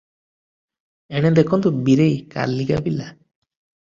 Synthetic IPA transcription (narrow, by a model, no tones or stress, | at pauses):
eɽ̃ɛd̪ekʰɔnd̪ubiɾejka̰ɾlːiɡabila